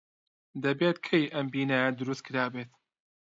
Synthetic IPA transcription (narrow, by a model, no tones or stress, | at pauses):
d̪ɐbeːt̪kʰejʔɐmbiːnajad̪ʊɾust̪̚kʰɨɾaːbeːt̪